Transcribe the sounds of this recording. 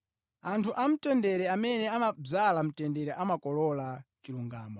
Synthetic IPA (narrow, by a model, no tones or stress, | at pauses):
antʰuʔam̩tɛndɛɾɛamɛnɛamab͡ʐalam̩tɛndɛɾɛʔamakɔlɔlat͡ʃiluŋɡaːmɔ